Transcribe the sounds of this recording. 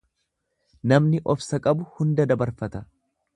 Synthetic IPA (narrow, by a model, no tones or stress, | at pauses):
nɐmnɪʔɔfsɐkʼɐbʊhʊnd̪ɐd̪ɐbɐɾfɐt̪ɐ